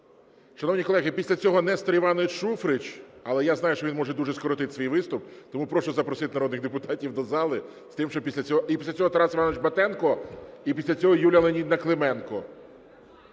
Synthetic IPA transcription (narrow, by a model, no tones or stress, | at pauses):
ʃɐnɔwnʲikɔlˠɛɦɪpʲisʲlʲɐt͡sʲɔɦɔnɛst̪ɔɾʲiʋɑnɔet͡ʃʃufɾɪt͡ʃɐlˠɛjaznɑjʊʃt͡ʃɔʋʲinmɔʐʒɛd̪uʒɛskɔɾɔt̪ɪt̪sʲʋʲijʋɪst̪ʊp̚t̪ɔmupɾɔʃɔzɐpɾɔsɪt̪ɪnɐɾɔd̪nɪxd̪epʊt̪ɑtʲiwd̪ɔzɑlˠɪ | st̪ɪmʃt͡ʃɔpʲisʲlʲɐt͡sʲɔɦɔipʲislʲɐt͡sʲɔɦɔt̪ɐɾasɪʋanɔʋt͡ʃbɐt̪ɛnkɔipʲisʲlʲɐt͡sʲɔɦɔjulʲɐlˠenʲid̪nɐklˠemɛnkɔ